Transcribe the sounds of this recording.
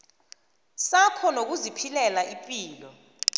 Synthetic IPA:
sapʰɔnok̬uzipʰilɛlaʔipʼiːlɔ

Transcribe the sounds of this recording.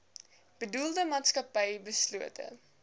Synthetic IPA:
b̥ədulˠdəmɑːtskɐpɛjbəsluətʰə̰

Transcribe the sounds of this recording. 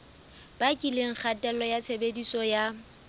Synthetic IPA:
b̥akʼileŋ̩k͡xʰatʼɛlɔjat͡sʰebedisɔja

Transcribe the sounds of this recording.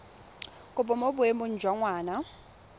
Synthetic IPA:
kʼʊpʼɔmobʊemʊn̩d͡ʒʱwaŋwaːna

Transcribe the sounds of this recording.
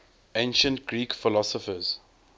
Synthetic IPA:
ẽnʃə̃ntɡɹiːkfɪlɔsɔfəz̥

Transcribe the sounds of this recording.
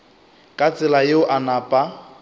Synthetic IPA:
kʼat͡sʼɪlajeʊʔanaːpʼa

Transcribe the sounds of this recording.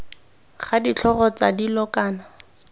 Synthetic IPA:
χadit͡ɬʰɔɣɔt͡sadilɔkaːna

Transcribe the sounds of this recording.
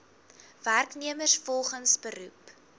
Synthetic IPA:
værkniəmərsfɔlˠχənsbəɾup

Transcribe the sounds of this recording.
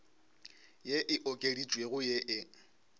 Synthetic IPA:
jeʔɪʔɔkʼedit͡ʃʼweɣʊjeʔɪ

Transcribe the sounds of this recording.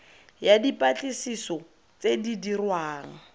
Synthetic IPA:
jadipʼat͡ɬʼisisɔ | t͡sedidirwaːŋ̩

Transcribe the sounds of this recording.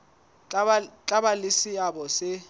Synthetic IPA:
t͡ɬʼaɓalisiaɓɔsɪ

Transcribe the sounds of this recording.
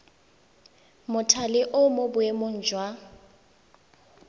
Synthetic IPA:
mʊtʰalɪʔʊmobʊemʊn̩d͡ʒwa

